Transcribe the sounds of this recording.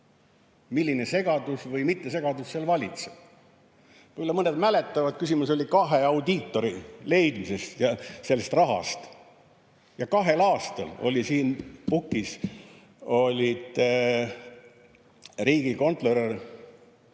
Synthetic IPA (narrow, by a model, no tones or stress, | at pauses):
milːine̞se̞ɡ̥ɑd̪usvɤjmit̪ːe̞se̞ɡ̥ɑd̪usselvɑlʲit̪seb̥̚ | ylːemɤne̞d̪mæle̞t̪ːˑɑvɑd̪̥̚kysʲimuso̞lʲikɑɦeɑwd̪iːt̪ːo̞ɾile̞jd̪̥mise̞st̪jɑse̞lːest̪rɑɦɑ̰st̪ | jɑkɑɦe̞lɑːst̪ɑ̰lo̞̰lʲisiːnpukːˑis | o̞lʲid̪̥ | riːɡ̥iko̞nt̪ˑler